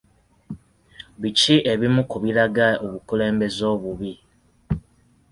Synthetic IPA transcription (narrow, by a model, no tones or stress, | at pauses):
βit͡ʃiʔeβimukuβilaɡaoβukule̞ːmbe̞zoːβuβi